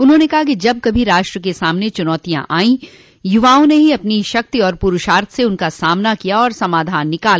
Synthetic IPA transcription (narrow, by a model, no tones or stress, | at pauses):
ʊnɦõnekɐɦakid͡ʒɐb̚kɐbʱiɾaːʃʈɾəkesaːmnet͡ʃʊnɔːt̪ijã̰ʔaːĩ | jʊʋaːõneɦiɐpniʃɐk̚t̪iɔːɾpʊɾʊʃaːɾt̪ʰseʊnkasaːmnakijaɔːɾsɐmaːd̪ʱaːnːɪkaːl